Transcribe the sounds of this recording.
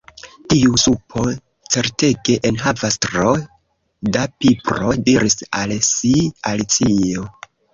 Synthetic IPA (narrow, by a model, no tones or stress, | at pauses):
tiusupʰo̞ | t͡se̞ɾte̞ɡe̞ʔenɦavastɾo | dapipɾo̞diɾisalsialit͡sio̞